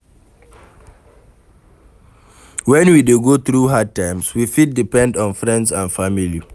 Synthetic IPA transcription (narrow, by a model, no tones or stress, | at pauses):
wɛ̃nwideɡot̪ɹuɦad̚tãɪmswifit̚dipɛ̃ndɔ̃nfɹɛ̃ndsãnfamili